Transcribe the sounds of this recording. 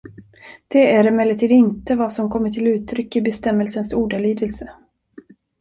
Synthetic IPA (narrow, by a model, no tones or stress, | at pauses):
d̪̥ɛæɾɪmɛlːəʈʰiːd̪ɪnt̪əvɑsɔmkʰɔmːəʈʰɪlʉ̟ːt̪ʰɾʏkːɪbɛst̪ɛmːəlsənsuːɖaɭyːd̪əlsə